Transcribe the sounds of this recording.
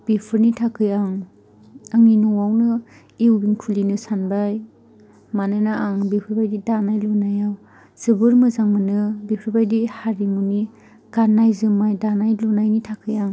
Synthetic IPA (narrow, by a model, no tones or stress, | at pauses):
b̥ipʰɯɾnitʰakʰɯjaŋ | aŋninɔwawnɯ | iwbiŋtʰulinɯsanbaj | manɯnaʔaŋbipʰɯɾbajdidanajlɔnajaw | z̥ɯbɯɾmɯzaŋmɯnɯbipʰɯɾbajdihaɾimuni | ɡ̥aɾnajzɯmajdanajlunajnitʰakʰɯjaŋ